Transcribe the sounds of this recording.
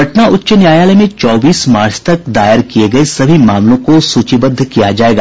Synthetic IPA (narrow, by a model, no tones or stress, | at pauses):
ɐʈnaʔʊtːʃənjaːjaːləmẽt͡ʃɔːbiːsmaːɾst̪ɐk̚d̪aːjəɾkijeɡɐesɐbʱimaːmlõkosuːt͡ʃibəd̪ʱːkijad͡ʒaːeːɡaː